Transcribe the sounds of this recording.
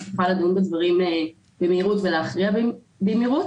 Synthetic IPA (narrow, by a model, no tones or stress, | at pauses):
fuχalad̪unbedvaʁime | bemeiʁutveleaχʁiab | bemiʁut